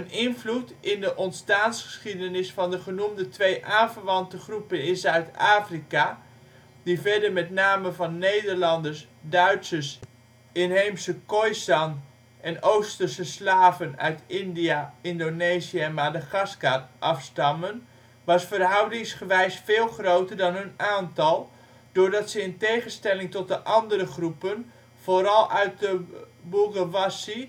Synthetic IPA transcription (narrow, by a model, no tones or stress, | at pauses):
ənɪnvlutɪndəʔɔntstaːnsχə̥sχidənɪsfɑndəχənumdətʋejʔaːnvərʋɑntəχrupənɪsœɥtaːfrika | divɛɹdəɹmɛtnaːməvɑnːejdəɹlɑndəɹs | dœɥtsəs | ɪnɦejmsəkojsɑn | ʔɛnowstərsəslaːvənœ̰ɥtʰɪndijaɪndonesiəɛnmadəχaskatʔɑfstɑmən | ʋɑsfərɦɑwdɪŋsχəʋɛjsfeːlˠχrowtərdɑnɦønaːntɑlˠ | d̥ʊːrdɑtsəɪntejχənstɛlɪŋtɔt̚dəʔɑndəɾəχrupən | v̥oːɾɑlˠœɥt̚də | buɡaʋasi